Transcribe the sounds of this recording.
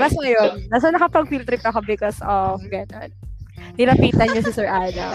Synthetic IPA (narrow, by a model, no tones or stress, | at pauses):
bɐsŋɐjonnɐs̬ɐnɐkɐpɐɡ̚filt̪ɾɪp̚ɐkobɪkɔsʔɔɡɐnonnɪɾɐpiːt̪ɐɲosɪsɛɹʔaːnɐ̰